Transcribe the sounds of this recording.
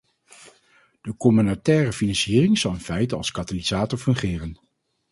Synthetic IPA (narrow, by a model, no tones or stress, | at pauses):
d̥əkɔmynatɛːrəfinɑnsiːrɪŋz̥ɑlˠənfɛjtɑ̰lˠskataliz̥aːtɔɹfɵŋχɪːrən